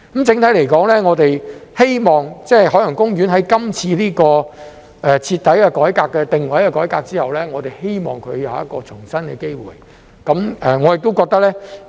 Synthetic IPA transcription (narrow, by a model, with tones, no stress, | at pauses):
kɐ˨˦mt͡sɪ˨˥ŋt̪ʰɐ˨˥jle˨˩jkɔː˨˥ŋlɛː˥ŋɔː˨˧t̪e˨jhe˥jmɔː˨ŋt͡sɛː˥˩ɦɔː˨˥lɐ˨˩ŋkʊ˥ŋjyː˨˥nɦɐ˨˥jkɐ˥mt͡sʰiː˧liː˥kɔː˧ | ʔɛː˨t͡sʰiː˧t̪ʰːɐ˨˥jkɛ˧kɔː˨˥jkaː˧kːɛ˧t̪ɪ˨ŋwɐ˨˥jkɛ˧kɔː˨˥jkaː˧k̚t͡siː˥hɐ˨wlɛː˥ŋɔː˨˧t̪e˨jhe˥jmɔ̰ː˨ŋkʰɵ˨˧ɥjɐ˨˧wjɐ˦t̚kɔː˧t͡sʰʊ˨˩ŋsɐ˥nkɛː˧ke˥jwṵː˨j | kɐ˨˥mɛː˨ŋɔː˨˧jɪ˨k̚t̪o˥wkɔː˧k̚t̪ɐ˥k̚lɛː˥